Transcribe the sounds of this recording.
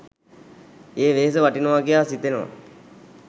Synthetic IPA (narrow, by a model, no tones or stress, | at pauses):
eːʋeːs̬əʋaʈinəʋaɡejaːsit̪enəʋa̰